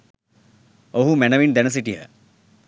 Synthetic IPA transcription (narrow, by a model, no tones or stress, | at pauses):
oɦumɛnəʋind̪ɛnəs̬iʈiɦə̰